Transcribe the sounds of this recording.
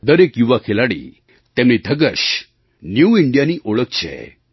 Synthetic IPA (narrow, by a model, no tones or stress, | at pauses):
d̪əɾekjuʋakʰelaɽḭː | t̪ɛ̃mniːd̪ʱəɡəɕ | njuiɳɖijaniːʔoɭəkt͡ɕʰɛ̰